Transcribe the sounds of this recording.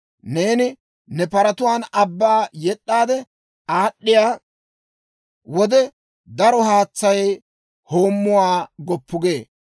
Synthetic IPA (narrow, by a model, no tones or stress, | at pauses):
neːnɪ | nɛpɐɾɐt̪ʊwaːnɐbːaːjɛɗʼːaːd̪ɛ | aːɗːɪjaː | wɔd̪ɛ | d̪ɐɾɔɦaːt͡sːɐj | ho̞ːmːʊwaːɡɔpʰːʊɡe̞ː